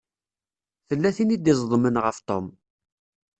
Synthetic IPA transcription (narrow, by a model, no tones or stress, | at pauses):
θəlːæθinid̪izˤðˤmənʁəft̪om